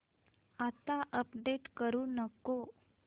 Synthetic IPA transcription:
at̪aʔəpɖeʈkəɾuːnəko

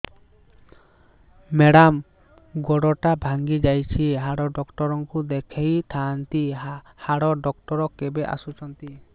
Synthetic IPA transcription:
meɽam | ɡɔɽɔʈabʱaŋɡid͡ʒajt͡ʃʰiɦaɽɔɖɔkʈɔɾɔŋkud̪ekʰejt̪ʰant̪i | haɽɔɖɔk̚ʈɔɾɔkebeʔa̰sut͡ʃʰɔnt̪i

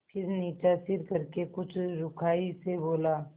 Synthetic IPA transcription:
pʰɪɾniːt͡ʃasɪɾkəɾkekʊt͡ʃʰɾʊkʰaːiseboːla

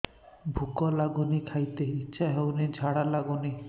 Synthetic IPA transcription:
bʱukɔlaɡunikʰajt̪eitːʃʰaɦewnid͡ʑʱaɽalaɡuni

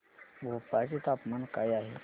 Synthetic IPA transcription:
bʱopat͡ɕet̪apmankajaɦe

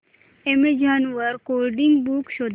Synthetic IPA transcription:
emed͡ʒanuʋəɾkoɾɖiŋɡbukʃod̪

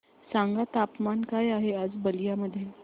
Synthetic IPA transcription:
sãŋɡat̪apmankajaɦead͡zbəlijaməd̪ʱːje

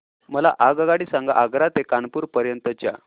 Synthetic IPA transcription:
məla̰ʔaɡaɡaɽiːsaŋɡa̰ʔaɡɾat̪ekanpuːɾpəɾjənt̪ət͡ɕja̰

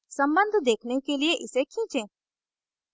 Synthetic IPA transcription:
sə̃mbə̃nd̪ʱd̪eːkʰnekelieʔɪsekʰĩːt͡ʃẽː

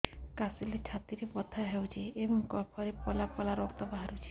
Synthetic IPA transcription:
kasilet͡ʃʰat̪iɾepɔt̪ʰaɦewt͡ʃʰiebɔŋkɔpʰɔɾepɔlapɔlaɾɔkt̪ɔbaɦaɾut͡ʃʰi̥

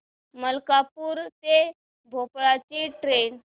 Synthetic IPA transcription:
məlkapuːɾt̪e | bʱopɭat͡ɕiʈɾen

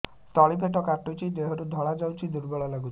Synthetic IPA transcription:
t̪ɔɭipeʈɔkaʈut͡ʃʰid̪eɦɔɾud̪ʱɔɭad͡ʒawt͡ʃʰid̪uɾbɔɭɔlaɡut͡ʃʰi

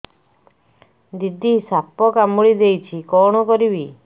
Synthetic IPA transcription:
d̪id̪isapɔkamɔɭid̪ejt͡ʃʰikɔɽ̃ɔkɔɾibi

